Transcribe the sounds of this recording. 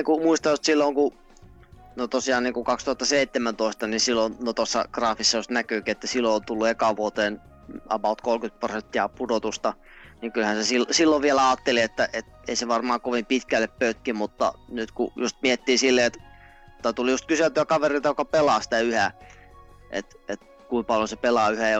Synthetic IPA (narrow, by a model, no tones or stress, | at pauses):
iŋkumuist̪ɑjost̪silːoŋku | not̪osiɑːnniːŋkukɑkst̪uhɑt̪ːɑseit̪ːemænt̪oist̪ɑnisilːonnot̪osːɑ̰ɡ̥rɑːfisːɑjust̪nækyˑːkiet̪ːæsilːoont̪ulːuekɑʋuot̪eːn | ɑ̰pɑut̪kolkyt̪̚prosent̪ːiɑpudot̪ust̪ɑ | niŋkylhænsesilsilːoʋʋielæɑːt̪ːeliet̪ːæʔet̪eiseʋɑrmɑːkoʋimpit̪kælːeppøyt̪kimut̪ːɑ̰nyt̪kṵjust̪̚miet̪ːiːsilːeet̪ | mut̪ːɑt̪ulijust̪kyselt̪yækɑʋeriˑt̪ɑjokɑpelɑːsi̥t̪æyhæ | ʔḛt̪et̪ | kuimpɑljosepelɑːyhæ